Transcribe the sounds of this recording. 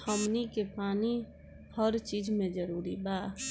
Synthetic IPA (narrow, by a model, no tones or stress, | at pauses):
həmnikepaːni | həɾt͡ʃiːd͡ʒmẽd͡ʒəɾuːɾibaː